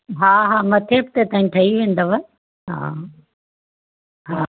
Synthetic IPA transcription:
ɦaːɦaːmɐt̪ʰeːp̚t̪et̪aːɦĩʈʰɐɦiʋẽːn̆d̪oʋɐ | ɦa̰ː | ɦaː

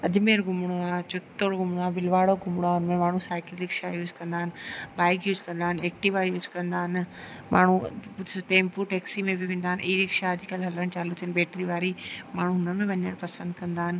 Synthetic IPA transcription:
ɐd͡ʑmeɾɡʊmɽ̃oat͡ɕʊt̪ːoɽɡʊmɽ̃oabɪlʋaːɽoɡʊmɽ̃oaʊnmẽmaːɳ̤̃ũsaːɪkɪllɪkʃajuːzkɐ̃nd̪aːɦɪnɪ̆baːɪkjuːzkɐ̃nd̪aːɦɪneːk̚ʈɪʋajuːzkɐ̃nd̪aːɦɪn | mʔa̰ːɳ̤uʈ̪eːmpuːɾʈeːksimẽbɪʋẽːn̆d̪aːɪnʔiiɾɪkʃaɐd͡ʑʱɪkəlɦɐləɽ̃t͡ɕaːlut̪ʰijənɪbeːʈɾiʋaːɾimaːɳ̤uɦʊnəmẽʋɐɲəɽ̃pɐsə̃nd̪kɐ̃nd̪aːɦɪnɪ̆

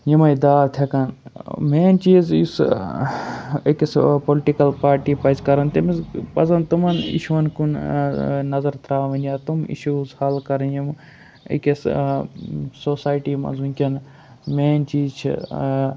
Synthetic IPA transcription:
jimɐjd̪aːt̪ʰɐkɐnmeːnt͡ʃiːzjis | ɐkɐspolʈikɐlpaːɾʈiːpɐzkɐɾɐnt̪imizpɐzɐnt̪umɐnḭʃuʋɐnkun | nɐzɐɾt̪ɾaːʋɐ̃nʲaːt̪umḭʃuzhɐlkɐɾjim | ḭkʲɐs | soːsaːjʈiːmɐ̰nzunʲkʲɐn | meːnt͡ʃiːzt͡ʃʰḭ

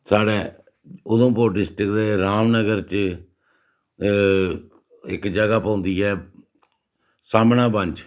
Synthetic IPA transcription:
saːɽeː | ʊd̪õːpoːɖɪsʈəkd̪eːɾaːmnəɡəɾt͡ʃ | ɪ̰kd͡ʒəɡaːpə̃ʊ̃nd̪iːɛː | saːmnãːbə̃ɲd͡ʒ

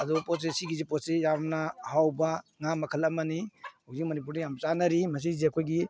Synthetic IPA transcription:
ɐd̪ɔpɔesiɡizipɔtsejamnahawbaŋamɐkʰɐlamaniozimɐnip̬uɾnijamt͡ʃanɐɾimɐs̬izeɐkʰojɡi

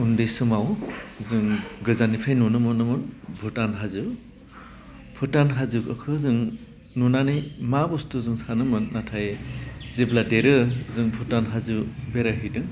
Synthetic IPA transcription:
undɯjsɯmawzɯŋɡɯzanipʰajnunɯmɯnɯmɯnbʱutanɦazɯ | b̥ʰɯtanɦazɯkɯkʰɯzɯŋ | nunanɯjmabustuzɯŋsanɯmɯnːatʰajzibladeɾɯzɯŋbʱutanɦazɯbeɾaɦɯjdɯŋ

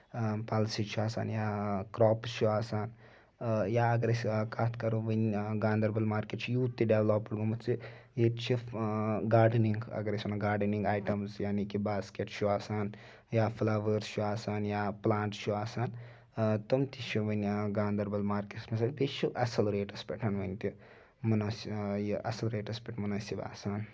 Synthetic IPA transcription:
palsiʈt͡ʃʰuaːsa̰ːnjaːkɾoːpʃuaːsaːn | jaːɐɡɐɾɐskaːt̪ʰkɐɾuʋɐnɡaːnd̪ɐɾbɐlmaːɾkeʈt͡ʃʰujuːt̪ːiɖeʋloːpːɐɽɡomɐt̪t͡ʃijett͡ʃʰiɡaːɾɖniŋɡɐ̰ɡɐɾɐsunɐɡaːɾɖɐniŋɡaːjʈɐmsjaːnikibaːskeʈʃuaːsaːn | jaːflɐʋəɾʃuaːsaːnjaːplaːɳʈʃuaːsaːn | t̪omt̪iʃuʋɐnɡaːnd̪ɐɾbɐlmaːɾkeʈsmɐs̬ɐnpeʃuʔɐsɐlɾeːʈɐspʲeʈɦɐnʋɐnt̪i | munaːsɐ̰sɐlɾeːʈɐspʲeʈmunaːsiba̰ːsaːn

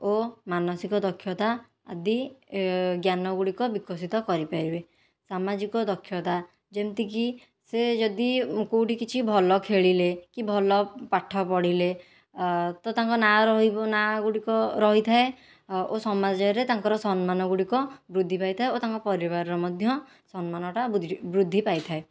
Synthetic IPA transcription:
omanɔsikɔd̪ɔkʰjɔt̪a̰ː | d̪i | ɡjanɔɡuɽikɔbikɔsit̪ɔkɔɾipaibe | samad͡ʒikɔd̪ɔkʰːjɔt̪a | d͡ʒemt̪iki | sed͡ʒɔd̪ikowʈikit͡ʃʰibʱɔlɔkʰeɭilekibʱɔlɔpaʈʰːɔpɔɽile | t̪ɔt̪aŋkɔnaɾɔɦibɔnaɡuɽikɔɾɔɦit̪ʰae | osɔmad͡ʒɔɔɾet̪aŋkɔɾɔsɔnmanɔɡuɽikɔbɾud̪ʱːipajt̪ʰaeot̪aŋkɔpɔɾiβaɾɔɾɔmɔd̪ʱjɔ | sɔnmanɔʈabɾud̪ʱːipajt̪ʰae

